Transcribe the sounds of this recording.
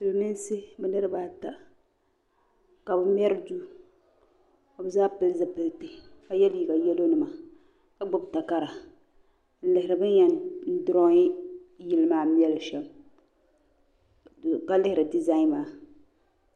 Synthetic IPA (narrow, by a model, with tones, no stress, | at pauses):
sɨ˨lnɨ˦n˦sɪ˦bɛ˨nɨ˦ɾɨ˦baː˦ta˨ | ka˨bɨ˨m˦ɛ˦ɾɨ˦du˦ | ko˨bɨ˨zaː˦pɨ˦lzɨ˨pɨ˨lti˨ka˦jɛ˦lji˨ɡa˨jɛ˦lo˦nɨ˦ma˨ | ka˦ɡ͡bʊ˦bta˨ka˦ɾa˨ | n̩˦lɪ˨hɪ˨ɾɨ˨bɨ˦ɛ˨n̩˦dʊ˦ɾɔ˦jɪ˨lɨ˦maː˨˦m˦ɛ˦lʃɛ˨l | ka˦lɪ˦hɪ˨ɾɨ˨di˨za˦ɪ˦nmaː˨